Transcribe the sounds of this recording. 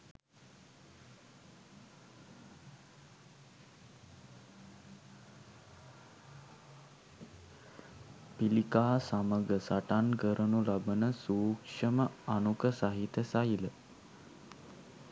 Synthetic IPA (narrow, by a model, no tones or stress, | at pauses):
pilikaːsaməɡəsaʈankəɾənulabənəsuːkʂəməanukəsaɦit̪əsajilə